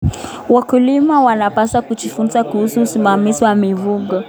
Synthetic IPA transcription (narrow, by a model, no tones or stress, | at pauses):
wakulimawanapasakut͡ʃifunzakuhusuːsimamiziwamivuɡɔ